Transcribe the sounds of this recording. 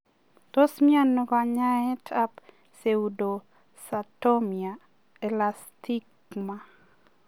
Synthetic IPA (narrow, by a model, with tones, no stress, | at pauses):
to˦smia˦nːɔ˨ka˨ɲa˦ɛ˦tʰap | se˨u˨do˨ | sato˦mia˨ | e˨lasti˦k | ma˦